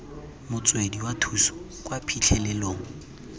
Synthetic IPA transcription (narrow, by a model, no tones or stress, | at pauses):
mʊt͡sʼwediwatʰusɔ̥ | kʼwapʰit͡ɬʰɛlɛloːŋ̩